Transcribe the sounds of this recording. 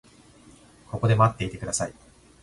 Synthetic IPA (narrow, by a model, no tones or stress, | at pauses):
ko̞ko̞d̪e̞mat̪ːe̞it̪e̞kɯd̪asai